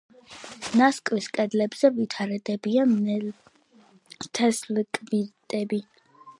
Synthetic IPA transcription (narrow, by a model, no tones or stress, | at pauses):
naskʼwiskʼɛd̪lɛbz̥ɛvit̪ʰaɾɛd̪ɛbian | t̪ʰɛslkʼbiɾt̪ʼɛbi